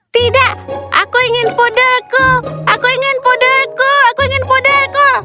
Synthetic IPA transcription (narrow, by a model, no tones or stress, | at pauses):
t̪idaʔa̰kuiŋɪnpodəlkuʔakuiŋɪnpodəlkuakuiŋɪnpodərkə